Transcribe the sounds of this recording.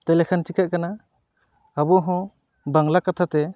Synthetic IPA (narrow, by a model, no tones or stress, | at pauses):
t̪elekʰant͡ʃikaʔ̚kana | abɔɦɔ̃ | baŋlakat̪ʰat̪ɛ